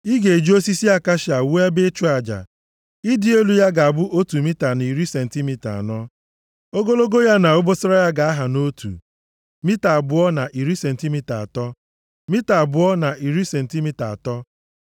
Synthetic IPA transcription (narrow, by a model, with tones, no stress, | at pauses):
i˦ɡe˨d͡ʒi˦o˦si˦si˦a˦ka˦ʃa˨wu˦a˦be˦t͡ʃu˦a˨d͡ʒa̰˨ | i˦dɪ˦e˦lu˦ja˦ɡa˨a˨bʊ˦ʔo˦tu˨mi˦ta˨ni˨ɾi˦se˨n̩˨ti˦mi˦ta̰˨nɔ˦ | o˦ɡo˦lo˦ɡo˦ja˦na˨o˦bo˦sɪ˦ɾa˦ja˦ɡa˨a˦ɦa˨no˦tʰṵ˨ | mi˦ta˨a˨bʊ˨ɔ˦na˨ʔi˨ɾi˦se˨n̩˨ti˦mi˦ta˨a˨tɔ˦ | mi˦ta˨bʊ˨˦ɔ˦na˨ʔi˨ɾi˦se˨n̩˨ti˦mi˦ta˨a˨tɔ˦